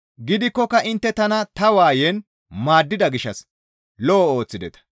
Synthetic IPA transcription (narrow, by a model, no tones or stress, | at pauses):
ɡɪd̪ɪkːɔkːɐʔɪnt̪ːɛt̪ɐnɐt̪ɐwaːjɛn | maːd̪ːɪd̪ɐɡɪʃːɐs | lɔɔo̞ːt͡sːɪd̪ɛt̪ɐ̥